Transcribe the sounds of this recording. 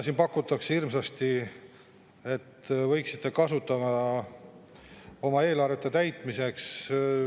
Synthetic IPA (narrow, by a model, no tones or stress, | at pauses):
siːnpɑkːˑut̪ːˑɑkseirmsɑst̪i | e̞t̪vɤjksi̥t̪ːˑe̞kɑsut̪ːˑɑd̪ɑ | o̞mɑe̞ːlɑrvet̪ːˑe̞t̪æjt̪ˑmise̞ks